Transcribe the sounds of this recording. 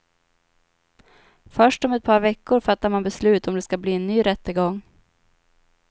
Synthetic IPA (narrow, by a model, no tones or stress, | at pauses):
fœʂʈɔmɛt̪̚pʰɑːɾvɛkːʊɾfat̪ːaɾmanbɛslʉ̟ːt̪ɔmd̪ɛskabliːɛnnyːɾɛt̪ːəɡɔŋː